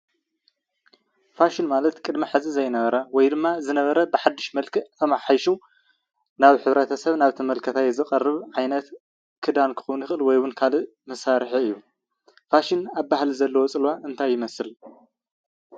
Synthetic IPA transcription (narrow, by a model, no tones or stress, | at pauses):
faʃɪnmalɐt̪kʼɨd̪miħɨzɨzɐjnɐβɐɾɐwɔjd̪ɨmːazɨnɐβɐɾɐbɨħad̪ːɨʃmɐlkʰit̪ʰɐmaħajʃu | naβħɨβɾɐt̪ʰɐsɐβnaβt̪ʰɐmɐlkʰɐt̪ʰajzɨkʼɐrːɨβʕajnɐt̪ | kʰɨd̪ankʰɨ̥xownjɪxɨlwɔjwʊnkʰalɨ | mɐsaɾħiɨjːu | faʃɪnaβbahlizɐlːɐwot͡sʼɨlwaʔɨnt̪ʰajːɪmɐsɨl